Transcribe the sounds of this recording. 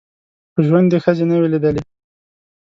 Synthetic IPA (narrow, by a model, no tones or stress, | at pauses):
pəʒwand̪exəzenawelid̪əle